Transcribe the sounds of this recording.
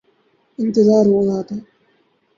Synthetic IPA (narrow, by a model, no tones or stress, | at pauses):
ɪnt̪ɪzaːɾʋozaːt̪aː